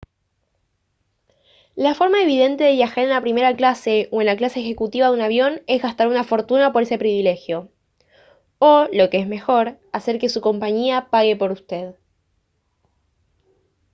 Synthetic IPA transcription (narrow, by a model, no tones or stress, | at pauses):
lafo̞ɾmae̞β̞ið̞e̞nt̪e̞ðe̞βjaxaɾe̞nlapɾime̞ɾaklase̞oenlaklaseːxe̞kut̪iβaðunaβ̞jo̞ne̞zɣast̪aɾunafo̞ɾt̪unapo̞ɾe̞se̞pɾiβile̞xjo̞ | olo̞keezme̞xo̞ɾase̞ɾke̞suko̞mpaɲiapaɣe̞po̞ɾust̪e̞ð